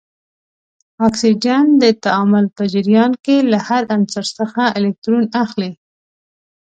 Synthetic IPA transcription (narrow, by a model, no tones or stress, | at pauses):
ɑksid͡ʒand̪ət̪aɑmʊlpəd͡ʒɪɾjɑnkelahaɾansaɾsəxaɪlek̚t̪ɾunaxli